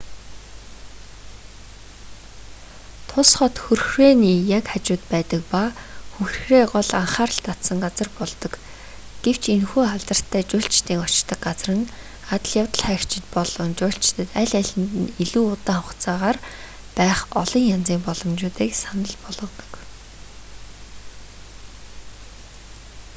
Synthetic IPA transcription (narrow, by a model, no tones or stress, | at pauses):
t̪ʰʊsχɔt̪xɵrxreːniːjakat͡ɕʊːt̪pæːt̪ə̆k̚paxuxrxreːɢɔɮaɴχaːrə̆ɬt̪ʰat̪sə̆ŋɢat͡sə̆rpɔɮt̪ɞ̆k | ɡ̥ew̥t͡ɕʰenxuːχaɮt̪ə̆r̥t̪ʰːæːt͡ɕʊːɬt͡ɕt̪iːŋɔt͡ɕt̪ə̆k̚ɢat͡srə̆n | at̪ə̆ɮjawt̪ə̆ɮχæːkt͡ɕɪ̆t̪pɔɮɞ̆nt͡ɕʊːɬt͡ɕɪ̥t̪ə̆t̪æɮʲæɮʲɘ̆nt̪ɘ̆niɮuːʊt̪aːχʊχt͡saːʁaːr | pæːχɔɮɞ̆ŋjant͡siːmpɔɮɞ̆mt͡ɕʊːt̪iːksanə̆ɮpɔɮɞ̆t̪ɞ̥̆k